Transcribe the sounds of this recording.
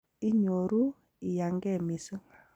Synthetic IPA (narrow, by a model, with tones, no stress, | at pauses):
i˦ɲo˨ɾu˦ | i˨ja˨ŋɡɛ˦˨mi˨sɨ˦ŋ